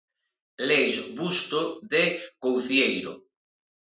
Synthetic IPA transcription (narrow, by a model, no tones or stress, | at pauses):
lezβust̪oðekowθjejɾo̰